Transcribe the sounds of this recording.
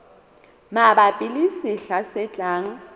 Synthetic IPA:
maɓapʼilisiɬasɛt͡ɬʼaːŋ̩

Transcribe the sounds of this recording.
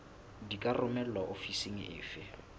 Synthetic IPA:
dikʼarʊmɛl̩aʔofisiŋ̩ɪ̰ːfɪ

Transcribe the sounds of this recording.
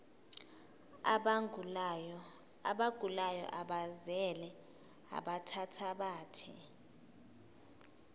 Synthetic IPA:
aɓaɡ̥ʱulajɔ̰ʔaɓazɛlɛ | a̰ɓatʰatʰaɓaːtʰɛ̰

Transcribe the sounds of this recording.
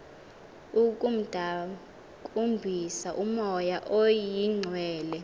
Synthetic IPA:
ukʼum̩d̥ʱa | kʼumbʱisaʔumɔjaʔojiŋ͡ǀʱwɛːlɛ

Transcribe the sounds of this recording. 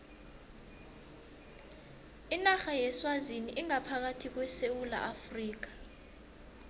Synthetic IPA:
inaxajɛswaziniʔiŋapʰak̬atʰik̬wɛsewula̰ʔafriːk̬ḁ

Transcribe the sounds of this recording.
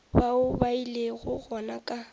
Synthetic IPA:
baʊbaileɣʊɣɔnakʼa

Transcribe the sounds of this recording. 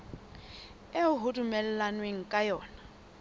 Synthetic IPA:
eʊɦʊdʼʊmɛlɛlanweŋ̩kʼajɔːna

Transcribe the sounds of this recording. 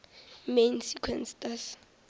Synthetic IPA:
mensikʰwɛnstas

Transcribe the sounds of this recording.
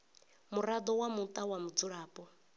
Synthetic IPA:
muɾad̪ɔwamut̪ʼawamud͡zuɺaːpʼɔ

